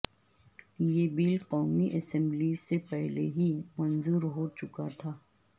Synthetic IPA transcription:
jeːbiːlqɔːmiʔɛsɛ̃mblisepɛɦlḛɦimɐ̃nzuːɾɦot͡ʃʊkat̪ʰaː

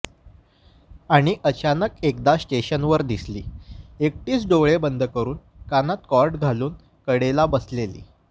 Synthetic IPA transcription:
aɽ̃iʔət͡ɕanəkekd̪asʈeɕənʋəɾd̪islḭːek̚ʈiːt͡sɖoɭebənd̪ʱəkəɾuːn | kanat̪kɔɾɖɡʱaluːn | kəɽelabəslelḭː

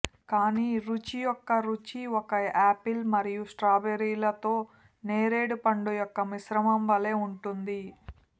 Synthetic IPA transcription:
kaːniːɾut͡ʃijɔkːɐɾut͡ʃiɔkɐaːpilmɐɾijusʈɾaːbeɾiːlɐt̪o̞ː | neːɾe̞ːɽupɐɳɖujɔkːɐmisɾɐmɐmʋɐle̞ːuɳʈund̪i

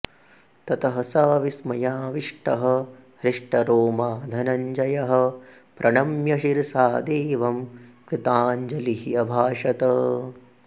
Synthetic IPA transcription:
t̪ɐt̪ɐɦɐsaːʋismɐjaːʋiʂʈɐɦɐ̆hɾiʂʈɐɾoːmaːd̪ʱɐnɐɲd͡ʒɐjɐɦɐ̆ | pɾʔɐɳɐmjɐʃiɾsaːd̪eːʋɐmkɾit̪aːɲd͡ʒɐliɦijɐbʱaːʂɐt̪ɐ

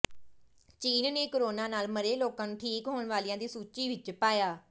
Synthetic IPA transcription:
t͡ʃiːnaːneːkəɾoːnãːnaːlməɾeːloːkãːnũːʈʰiːkɦoːɳʋaːlijãːd̪iːsuːt͡ʃiːʋɪt͡ʃpaːjaː

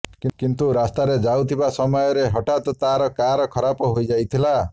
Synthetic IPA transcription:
kikint̪uɾast̪aɾed͡ʒawt̪ʰibasɔmɔjɔɾeɦɔʈat̪ɔt̪aɾɔkaɾɔkʰɔɾapɔɦojd͡ʒajt̪ʰila

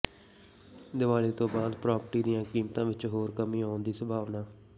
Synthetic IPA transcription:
d̪ɪʋaːleːt̪õːbaːd̪pɾaːpəɾʈiːd̪ijãːkiːmt̪ãːʋɪt͡ʃɦoːɾkəmĩːaːʊnd̪iːsəbʱaːʋnaː

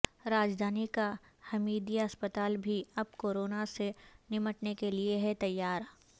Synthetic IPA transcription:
ɾaːd͡ʒd̪ʱaːnikahɐmiːd̪iəspət̪aːlbʱiɐb̚koːɾoːnasenɪməʈnekelieɦɛt̪ɐjːaːɾ

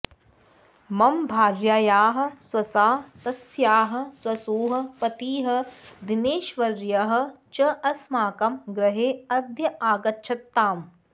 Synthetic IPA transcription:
mɐmbʱaːɾjaːjaːɦɐ̆swɐsaːt̪ɐsjaːɦɐ̆swɐsuːɦɐ̆pɐt̪iːɦɐ̆d̪ineːʃʋɐɾjɐɦɐ̆ | t͡ʃɐɐsmaːkɐmɡɾɐɦeːɐd̪ʱjɐaːɡɐtːʃʰɐt̪ːaːm

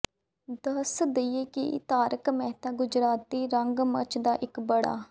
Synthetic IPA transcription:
d̪əsd̪eeːkɪt̪aːɾəkmɛɦt̪aːɡʊd͡ʒɾaːt̪ːiːɾəŋɡməɾt͡ʃd̪aːʔɪkbəɽa̰ː

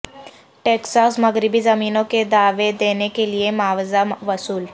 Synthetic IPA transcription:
ʈeksasməɡɾibiːd͡zəmiːnoked̪aʋed̪enekeliemaʋd͡zaʋəsuːl

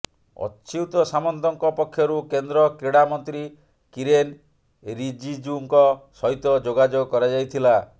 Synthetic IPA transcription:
ɔ̰tːt͡ʃʰiwt̪ɔsamɔnt̪ɔŋkɔpɔkʰːjɔɾukend̪ɾɔkɾeɽamɔnt̪ɾi | kiɾen | ɾid͡ʒid͡ʒuŋkɔsɔɦjt̪ɔd͡ʒoɡad͡ʒoɡɔkɔɾad͡ʒajt̪ʰila

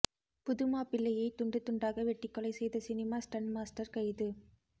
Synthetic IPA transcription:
pʊðɯmaːpɪɭːɐjɐɪt̪ʊɳɖɯt̪ːʊɳɖaːɣɐʋɛʈːɪkːɔlɐɪsɛjðɐsɪnɪmaːsʈɐɳɖmaːsʈɐɾkɐɪðɯ

